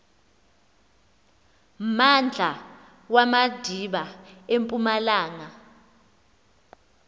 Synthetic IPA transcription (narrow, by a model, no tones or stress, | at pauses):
mand͡ɮʱa | wamad̥ʱiɓaempʼumalaːŋa